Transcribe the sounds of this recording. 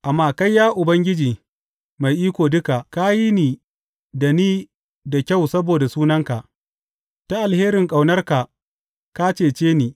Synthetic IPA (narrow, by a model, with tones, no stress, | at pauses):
ʔa˨mːaː˦ka˦jːaː˦ʔʊ˨bɐ˦ŋɡʲɪ˦d͡ʒiː˨ | ma˨jʔiː˦kʷoː˨dʊ˦ka˨ʔka˦ji˦niː˨ | da˨niː˦ | da˨kʲa˦˨wsɐ˦boː˨da˨suː˦nɐ˦ŋka˨ʔ | ta˦ʔa˨lheː˦ɾɪ˨ŋkʼa˨wnɐ˦rka˨ | ka˦t͡ʃeː˦˨t͡ʃeː˦niː˨